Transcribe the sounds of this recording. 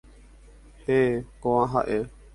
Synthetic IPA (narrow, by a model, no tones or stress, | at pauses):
hekõʋãɦaʔe